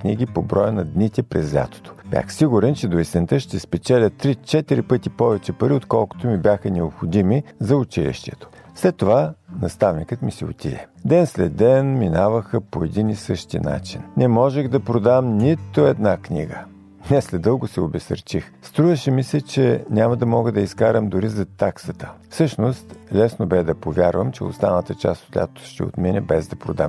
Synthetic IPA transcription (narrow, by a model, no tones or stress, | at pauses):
kniɡipobɾɔjənɐd̪nit̪ɛpɾɛzlʲa̰t̪o̥t̪o̥b̥ja̰xsiɡʊɾɛnt͡ʃɛd̪oist̪ɛnt̪əʃt̪ɛspɛt͡ʃɛlʲət̪ːɾit͡ʃɛt̪iɾipɤt̪ipɔvɛt͡ʃɛpɐɾiot̪kɔlˠko̥t̪omibʲjaxənɛopxod̪imizɐʊt͡ʃilḭʃt̪ɛ̰t̪o̥fslɛt̪ːovanɐst̪avnikət̪misio̰t̪ʲḭd̪ɛd̪ɛnslɛd̪ːɛnminavəxəpoɛd̪inisɤʃt̪ḭna̰t͡ʃinnɛmɔʒɛɣd̪ɐpɾod̪amnʲit̪oɛd̪naknḭɡə | nɛslɛd̪ɤlˠɡʊsɛobɛsə̰ɾt͡ʃixst̪ɾuvəʃɛmisɛt͡ʃɛnʲamɐd̪ɐmɔɡəd̪ɐiskaɾəmd̪ʊɾizɐt̪aksət̪ə̥fsɤʃnost̪lɛsnobɛd̪ɐpovʲjaɾvəmt͡ʃɛ̰o̰st̪anət̪ət͡ʃa̰st̪o̥t̪lʲa̰t̪o̥ʃt̪ɛ̰o̰t̪minʲɛbɛzd̪ɐpɾo̰d̪a̰m